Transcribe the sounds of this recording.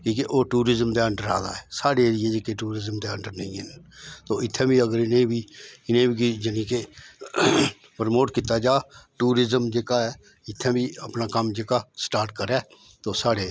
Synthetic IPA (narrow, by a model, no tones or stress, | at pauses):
kiːkeʔoːʈuːɾɪzəmd̪eːəɳɖəɾa̰ːd̪a̰ːɛːsaːɽeːɾɪjed͡ʒekeʈuːɾɪzəmd̪eːəɳɖəɾnəĩent̪oːɪt̪ʰːẽːbiːəɡəɾɪnẽbiːɪnẽːbʱikid͡ʒənĩːkeː | pəɾmoːʈkɪt̪aːd͡ʒaːʈuːɾɪzəmd͡ʒeːkaːɛː | ɪt̪ʰːẽːbʱiːəpnaːkəmd͡ʒeːkaːsʈaːɾʈ̚kəɾɛː | t̪oːsaːɽeː